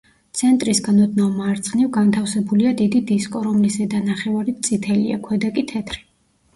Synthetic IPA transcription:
t̪sʰɛnt̪ʼɾisɡanɔd̪namaːɾt̪sʼχʼnivɡant̪ʰafsɛbuliad̪id̪id̪iskʼɔɾɔmlisɛd̪anaχɛvaɾitt̪sʼit̪ʰɛlḭa̰kʰwɛd̪akʼit̪ʰɛt̪ʰɾi̥

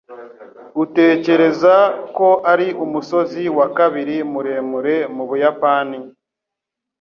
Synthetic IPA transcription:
ute̞ːce̞ɾe̞zako̞ʔaɾiʔumuso̞ziwakaβiɾimuɾe̞ːmuɾe̞muβujapaːni

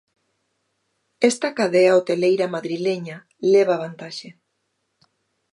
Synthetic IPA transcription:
est̪akaðeaot̪elejɾamaðɾileɲa | leβaβ̞ant̪aʃe

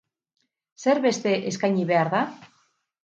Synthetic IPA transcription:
se̞ɾβe̞st̪e̞ʔeskajɲiβe̞aɾða

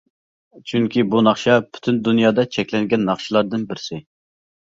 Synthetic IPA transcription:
t͡ʃʰyŋkʲibunɑχʃɑpʰy̥t̪ʰynd̪unjɑːd̪ɑt͡ʃʰɛkʲlɛŋɡʲɛnːɑχʃilˠɑɾd̪ɨnbɪɾsɪ

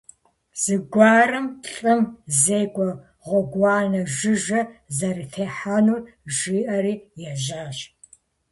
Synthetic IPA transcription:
z̥ɨɡʷɑːrɨmɬʼɨmzeːɡʷʼɔ | ʁʷɔɡʷɑːnɐʒɨʒɐzɐritʰeːħanuːr | ʒiːʔɐɾiːjɛʑaːɕ

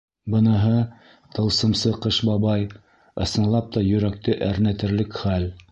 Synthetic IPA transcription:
bɤ̆nɤ̆ɦɤ | t̪ɤ̆lˠsɤ̆msɤqɤʃbɑβɑj | ɤ̆sɤ̆nlˠɑp̚t̪ɑjɵ̆ɾæk̚t̪ɘʔæɾnæt̪ɘ̆ɾlɘkχæl

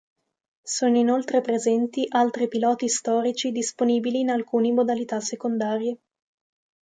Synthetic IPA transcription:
soːnoinolt̪ɾepɾezɛnt̪iʔalt̪ɾipilɔːt̪ist̪ɔːɾit͡ʃid̪isponiːbiliːnalkuːnimod̪alit̪asːekond̪aːɾje

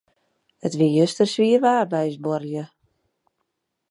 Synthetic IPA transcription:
ətʋijøstərsʋiərʋaːrbɛjsborjə

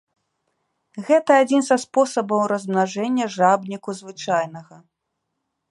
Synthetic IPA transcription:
ɣɛt̪ɐad͡zʲinzɐspɔsɐbɐwɾɐzmnaʐɛnʲːɐʐabnʲikuzvɨt͡ʂajnɐɣɐ

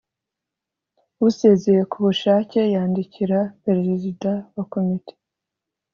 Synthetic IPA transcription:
wuse̞ːze̞je̞kuβuʃaːce̞jaːndiciɾapeɾeɾezidawako̞mite̥

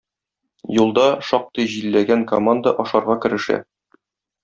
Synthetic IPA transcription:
julˠd̪ɑʃɒq̚t̪ɤjʑilːæɡæŋkomand̪əʔɒʃɑɾʁɑkɘ̆ɾɘ̆ʃæ̰

